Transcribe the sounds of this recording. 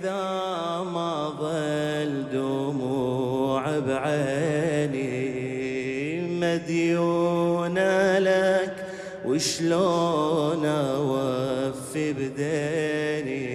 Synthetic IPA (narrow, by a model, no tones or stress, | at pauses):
ða | ma | ðˤɑ | ld̪umuʕabʕani | mad̪juːnalak | wɪʃloːnawafibd̪eni